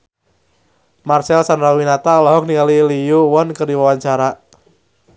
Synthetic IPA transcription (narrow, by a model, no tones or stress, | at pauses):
marsɛlsandɾawinat̪alaɦɔk̚niŋalilijuwɔnkərdiwawaɲt͡ʃaɾa